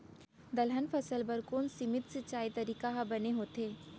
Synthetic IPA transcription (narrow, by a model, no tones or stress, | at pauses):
d̪ɐlɦənfʰɐsəlbɐɾkoːnsɪmɪt̪sɪt͡ʃaːit̪ɐɾiːkaɦabɐneɦoːt̪eː